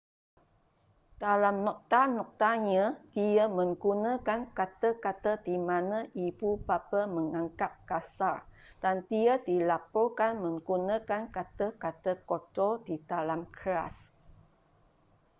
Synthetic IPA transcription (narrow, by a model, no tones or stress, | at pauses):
d̥alamnɔk̚t̪anɔk̚t̪aɲə̃d̪̥iəmə̃ŋɡunə̃kankat̪əkat̪ədimãnə̃ʔibupapəməŋãŋkap̚kasard̥and̪iədilapokanmə̃ŋɡunə̃kankat̪əkat̪əkot̪odidalamkəɾa̰s